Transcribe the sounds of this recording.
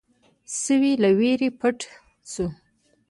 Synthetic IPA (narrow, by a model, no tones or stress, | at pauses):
səwilaweɾepʰəʈ | t͡su